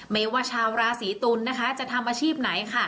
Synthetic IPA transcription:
me˦˥˩waː˧˩t͡ɕʰaː˧wɾaː˧siː˩˦t̪uː˧nːa˦˥kʰa˦˥t͡ɕa˨˩ʔt̪ʰa˧mʔaː˧t͡ɕʰiː˥˩p̚na˩˦jkʰa˥˩

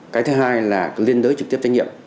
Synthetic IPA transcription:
kaː˨˦jt̪ʰɨ˨˦ɦaː˧jlaː˨˩li˧ənt̪əː˨˦jt͡ɕɨ˨˩k̪̚i˦˥əp̚t͡ɕa˧jŋɲ˧ḭ˧˨əm

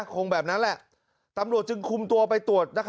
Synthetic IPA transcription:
kʰoː˧ŋbɛː˨˩p̚na˦˥nlɛ˨˩ʔ | t̪a˧mɾu˨˩ət̪̚t͡ɕɯ˧ŋkʰu˧mt̪u˧əpa˧jt̪u˨˩ət̪̚na˦˥kʰ

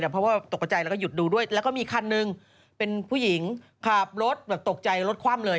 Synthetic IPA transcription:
aː˨˩pʰɾɔ˥waː˥˩t̪o˨˩kːa˧˩t͡ɕa˧jlːkɔ˥˩ju˨˩t̪̚duː˧du˥˩əjlɛ˦˥wkɔː˥˩miː˧kʰa˧nːɯ˧ŋ | pe˧npʰuː˥˩ji˩˦ŋ | kʰaː˨˩p̚ɾo˦˥t̪̚bɛː˨˩p̚t̪o˨˩k̚t͡ɕa˧jɾo˦˥t̪̚kʰwaː˥˩mlɤː˧j

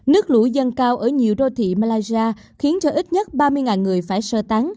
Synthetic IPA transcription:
nɨ˦˥ək̚lṵ˧˩zə˧nkaː˧wʔəː˧˩ɲi˨˩əwɗo˧t̪ʰḭ˧˨maː˧laː˧jzi˧aː˧ | xi˨˦ənt͡ɕɔ˧ʔi˦˥t̚ɲə˦˥t̚ɓaː˧mɨ˧əjŋaː˨˩nŋɨ˨˩əjfaː˧˩jsəː˧t̪a˨˦ŋ

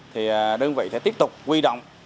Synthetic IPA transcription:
t̪ʰi˨˩˨ɗə˧ŋvḭ˧˨t̪ɛ̰˧˥t̪i˦˥əp̚t̪ʊ˨˩k͡p̚kwi˧ɗo̰˧˨wŋ͡m

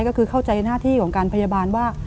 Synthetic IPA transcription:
jkɔː˥˩kʰɯː˧kʰa˥˩wt͡ɕa˧jnaː˥˩t̪ʰiː˥˩kʰɔː˩˦ŋkaː˧npʰa˧ja˧baː˧nwaː˥˩

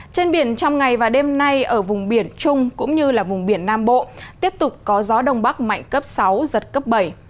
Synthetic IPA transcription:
t͡ɕe˧nɓi˧˩ənt͡ɕɔ˧wŋ͡mŋa˨˩jvaː˨˩ɗe˧mna˧jʔəː˧˩vʊ˨˩ŋ͡mɓi˧˩ənt͡ɕʊ˧ŋ͡mkʊ̰˧˥ŋ͡mɲɨ˧laː˨˩vʊ˨˩ŋ͡mɓi˧˩ənːaː˧mɓo̰˧˨tt̪i˦˥əp̚t̪ʊ˨˩k͡p̚kɔ˨˦zɔ˨˦ɗə˧˩wŋ͡mɓa˦˥k̚ma̰˧˨jŋ̟kə˦˥p̚sa˨˦wzə˨˩t̚kə˦˥p̚ɓə˧˩j

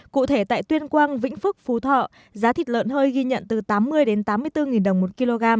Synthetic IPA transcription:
kṵ˧˨t̪ʰe˧˩t̪a̰ː˧˨jt̪wi˧ənkwaː˧ŋvḭ̈˧˥ŋ̟fɨ˦˥k̚fu˨˦t̪ʰɔ̰˧˨ | zaː˨˦t̪ʰi˨˩t̚lə̰ː˧˨nhəː˧jɣi˧ɲə̰˧˨nt̪ɨ˨˩t̪aː˨˦mːɨ˧əjɗe˨˦nt̪aː˨˦mːɨ˧əjt̪ɨ˧ŋi˨˩nɗə˨˩wŋ͡mmo˨˩t̚ki˧lo˧ɣaː˧m

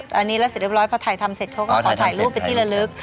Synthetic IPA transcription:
ʔa˧nːiː˦˥lɛ˦˥sɾ̚ɾɔː˦˥jpʰɔː˧t̪ʰaː˨˩jt̪ʰa˧mse˨˩t̪̚kʰɔ˧˦˥kɔ˥˧˦kʰɔː˨˩˦t̪ʰaː˨˩jɾuː˦˥˩pa˧t̪ʰi˥˩la˧lɯ˦˥k̚

